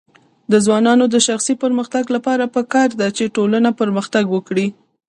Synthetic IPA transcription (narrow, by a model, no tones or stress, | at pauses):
d̪əzwɑnɑnod̪əʃaxsipəɾməxt̪aɡlapɑɾapəkɑɾd̪at͡ʃeʈolanapəɾməxt̪aɡwəkɽi